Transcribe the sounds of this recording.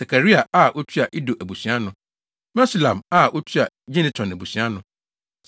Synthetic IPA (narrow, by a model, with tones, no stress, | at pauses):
sa˨kʰa˨ɾi˦a˨a˦ʔo˦tʰi˦a˨ʔi˦do˨ʔæ˨bu˨sĩ˨˦a˦nʊ̃˨ | mɛ˦si˨lã˨ma˦ʔo˦tʰi˦a˨ | d͡ʑĩ˦nɪ̃˨tʰɔ̃˨næ˨bu˨sĩ˨˦a˦nʊ̃˨